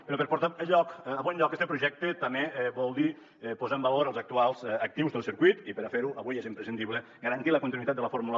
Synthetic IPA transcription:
peɾɔpəɾpoɾt̪aəʎɔkːβɔnʎɔkɛst̪əpɾuʒɛk̚t̪ət̪əmeβɔlˠd̪i | ɛpozaəmbəloɾəlˠzak̚t̪ualˠzək̚t̪iwzðəlˠsiɾkuit̪ipəɾafeɾuʔəβujɛzimpɾesind̪iβlə | ɡəɾant̪iləkunt̪inuit̪at̪ələfoɾmulə

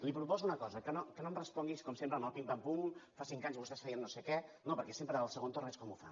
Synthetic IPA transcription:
lipɾupɔzuunəkɔzəkənokənomrəspɔŋɡiskɔmsempɾəməlˠpimp̪əmpumfasiŋkaɲzβust̪ɛsfɛiənːosekɛnopəɾkɛsempɾəəlˠsəɣ̞ont̪orɛt͡ʃkɔmufa̰

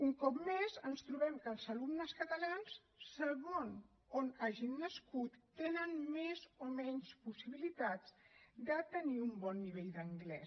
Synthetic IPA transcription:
uŋkɔpmezənst̪ɾuβɛmkəːlˠzəlumnəskət̪əlansː | əɣon | onaʒinːəskut̪ːenənmezomɛɲspusiβilit̪azd̪ət̪əniumbɔnːiβ̞eʎd̪əŋɡlɛ

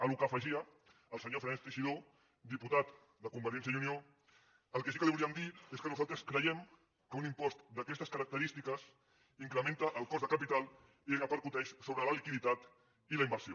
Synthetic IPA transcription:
əlukəfəʒiəː | lˠsəɲofɾenɛst̪əʒiðo | d̪iput̪at̪ | d̪əkumbəɾiɛnsjəjunio | əlˠkesikəliβuliəmd̪ieskənuzalˠt̪ɾəskɾəjɛm | kəunimpɔst̪d̪əkɛst̪əskəɾɐk̚t̪əɾist̪ikəs | iŋkɾəmẽnt̪əʔəːlˠkɔzðəkapit̪alˠ | ieɣəpəɾkut̪ɛʃsoβɾələlikiðit̪at̪ | ilɐimbəɾsjo

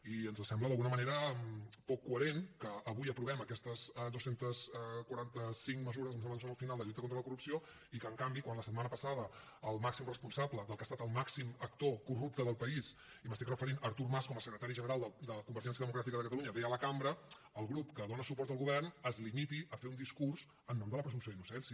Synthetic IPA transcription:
iənzəsɛmbləðəlɣunəməneɾəpɔkːuəɾenkəːβujəpɾuβɛməkɛst̪əsd̪osent̪əskwəɾant̪əsiŋkməzuɾəzəmnsɛmləns̬onəlˠfinalˠd̪əʎult̪əkont̪ɾələkurupsio | ikəŋkambikwanləsət̪manəpəsað̞ə | əlˠmaksimrəspunsabləðəlkəst̪at̪əlˠmaksimək̚t̪okurup̚t̪əðəlˠpəis | iməst̪ikrəfəɾinəɾt̪uɾmaskɔməsəkɾət̪aɾiʒənəɾalˠd̪əd̪əkumbəɾʒɛns̬jəðəmukɾat̪ikəðəkət̪əluɲəβɛələkambɾə | əlˠɣɾupkəðonəsupɔɾt̪əlˠɣuβɛrnəzlimit̪iʔəfeund̪iskurz | ənːɔmd̪ələpɾəzumsjoðinusɛnsi

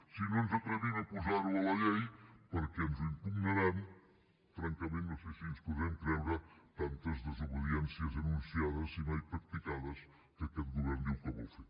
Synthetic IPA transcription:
sinɐ̃nuzɐt̪ɾɛβinɐpuzaɾuɐlɐʎejpɐɾɐkɛnuziŋpumnɐɾaɾu | fɾɐ̃ŋkɐmẽnt̪nɐ̃w̃sejsiuʃkuðɛmkɾɛmuʒat̪ãnt̪ɐzðɨzuβɨðiɛ̃nsjɐzɐnũnsiaðɐzimajpɾɐk̚t̪ikaðɐʃ | kɐkɛt̪ɣuβɛɾnd̪iwkɐβo̰wfe

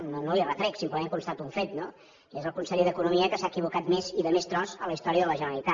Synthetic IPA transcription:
nonolirət̪ɾɛksimpləmeŋkunst̪at̪uuɱfet̪no | iezəlˠkunseʎðəkunumiəkəsaːkiβukat̪meziðəmest̪ɾɔzələist̪ɔɾiəðələʒənəəlit̪a

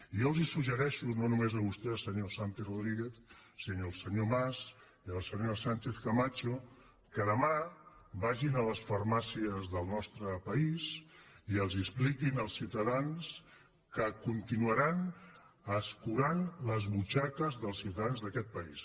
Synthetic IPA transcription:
ijolˠzisuʒəɾɛʃunonumezəβust̪ɛəlˠsəɲosant̪eroðɾiɣeθsinoːlˠsəɲomas | iəlˠsəɲosant͡ʃeθkəmat͡ʃo | kəðəmabaʒinələsfərmasiəzðəlˠnɔst̪ɾəpəisiəlˠzisplikinəlˠsiwt̪əðans | kəkunt̪inuəɾan | əskuɾanləzβut͡ʃakəzðəlˠsiwt̪əðanzðəkɛt̪̚pəis

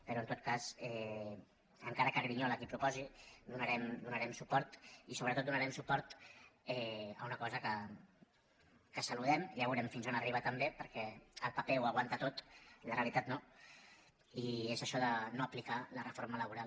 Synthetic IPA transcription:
pəɾɔənt̪ot̪̚kasɛ | əŋkaɾəkəɾɾiɲɔləkipɾupɔzid̪unəɾɛmd̪unəɾɛmsupɔɾt̪isoβɾət̪ot̪d̪unəɾɛmsupɔɾt̪ɛə̰unəkɔzəkə | kəsəluðɛmjaβuɾɛmfinzonəriβ̞ət̪əmbepəɾkɛəlˠpəpeuaɣwant̪ət̪ot̪ləreəlit̪at̪no | iezəʃɔðənoəplikalərəfoɾmələβuɾal

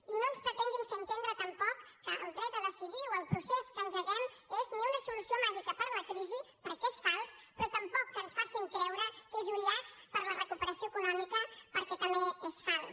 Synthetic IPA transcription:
inonspɾət̪ɛŋɡiŋkənt̪end̪ɾət̪əmpɔkːəʔəlˠd̪ɾɛt̪̚d̪ələsiβiwəlˠpɾuseskənzəɣɛmezniunəsulusiomaʒikəpəɾləkɾizipəɾkɛsfalˠspɾɔt̪əmpɔkːənsfasiŋkɾɛwɾəkezuʎaspəɾlərəkupəɾəsioekunɔmikəpəɾkɛt̪əmbeesfan

